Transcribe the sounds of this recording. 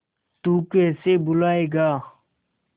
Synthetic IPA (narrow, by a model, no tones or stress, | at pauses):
t̪ukesebulaːeːɡaː